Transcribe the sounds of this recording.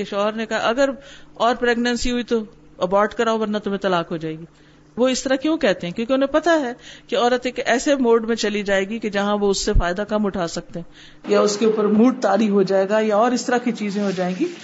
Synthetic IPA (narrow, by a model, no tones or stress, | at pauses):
eʃɔːɦəɾnekɐɦa̰ʔɐɡəɾɔːɾpɾɛːɡnə̃nsiɦuit̪o | ɐbɔːɾʈkɐɾaːoʋɐɾnat̪omẽt̪ɐlaːkɦod͡ʒaːeːɡiː | ʋoɪst̪ɐɾakjõːkɛɦt̪eɦɛ̃kjõːk̬eʊnɦẽpɐt̪aɦɛkeɔːɾət̪eːkɛːsemoːɖmẽt͡ʃɐlid͡ʒaːeːɡiked͡ʒɐɦãʋoʊsːefaːɪd̪akɐmʊʈʰaːsɐk̚t̪eɦɛ̃ː | jaʊskeuːpəɾmuːʈ̚t̪aːɾifɦod͡ʒaːeːɡajaɔːɾɪst̪əɾakit͡ʃiːzẽɦod͡ʒaːẽːɡiː